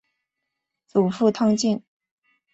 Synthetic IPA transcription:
t͡su˨˩fu˥˧t̪ʰɑ˥ŋt͡ɕi˥˩n

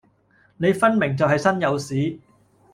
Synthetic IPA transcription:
ne˨˧jfɐ˥nmɪ˨˩ŋt͡sɐ˨wɦɐ˨jsɐ˥njɐ˨˧wsiː˨˥

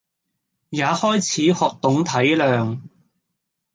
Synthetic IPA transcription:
jaː˨˧hɔː˥jt͡sʰiː˨˥hɔː˨˧k̚t̪ʊ˨˥ŋt̪ʰɐ˨˥jlœː˨˧ŋ

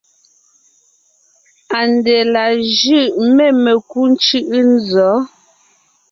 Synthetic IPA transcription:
a˨nde˨la˨ʒʉ˦˨ʔme˨me˨ku˦n˦t͡ʃʉ˦ʔɯ˦n˦zɔ˨˦

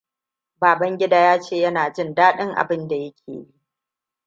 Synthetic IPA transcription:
baː˨bɐ˦ŋɡʲɪ˦daː˦jaː˦t͡ʃeː˦˨jɐ˦naː˨d͡ʒɪ˦ndaː˦ɗɪ˦ŋʔa̰˨bɪ˦nda˨jɐ˦kʲʰḛː˨ji˦ʔ

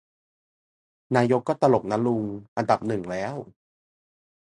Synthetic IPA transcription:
naː˧jo˦˥kːɔː˥˩t̪a˧lo˨˩k̚na˦˥lu˧ŋʔa˧nda˨˩p̚nɯ˨˩ŋlɛː˦˥˩w

